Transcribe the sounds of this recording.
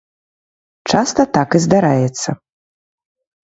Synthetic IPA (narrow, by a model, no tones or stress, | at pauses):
t͡ʂast̪ɐt̪akizd̪aɾajɛt̪sːɐ